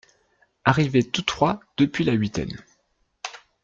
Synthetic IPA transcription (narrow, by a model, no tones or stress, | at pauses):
aʁivet̪ut̪χwad̪̥əpɥilaɥit̪ɛ̰n